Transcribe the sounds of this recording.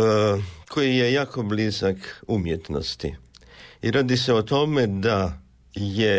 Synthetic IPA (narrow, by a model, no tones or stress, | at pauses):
kʰojijejaːko̞blizakumjet̪no̰st̪ḭ | iɾaːd̪iseot̪o̞med̪a | je